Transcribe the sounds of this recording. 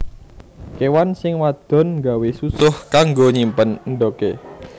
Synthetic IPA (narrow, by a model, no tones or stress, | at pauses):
kewansɪŋwad̪̥ɔ̤nŋɡawesusʊhkaŋɡoɲimpənɳɖoke